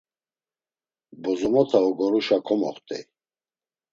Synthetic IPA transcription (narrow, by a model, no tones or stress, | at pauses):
bɔzɔmɔt̪ʰaɔɡɔɾuʃakʰɔmɔ̰χt̪ʰʼḭ